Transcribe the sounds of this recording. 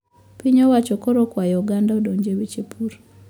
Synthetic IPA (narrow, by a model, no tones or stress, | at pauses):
piɲowat͡ʃokoɾokwajɔɡandaodoɲd͡ʒeβit͡ʃepʰuɾo